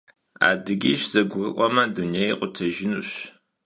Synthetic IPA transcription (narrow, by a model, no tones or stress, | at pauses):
a̰ːdɨɡʲiːɕz̥ɐɡʷʊrɨʔʷʼɔmɐdunejeqʷʼʊtʰɐʒɪnuɕ